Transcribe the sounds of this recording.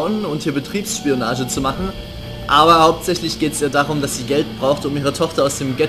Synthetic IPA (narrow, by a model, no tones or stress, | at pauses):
ʊnʊnthiːɐbətʁ̥iːpsʃpionaːʒət͡sumaχn̩ | ʔaːbɐhaʊp̚tz̥ɛçlɪçɡ̥eːtɛsʔiːɐdaːʁʊmdasz̥iːɡɛlt̚b̥ʁaʊxtʊmʔiːʁ̞ətʰɔχtɐaʊsd̥eːmɡɛ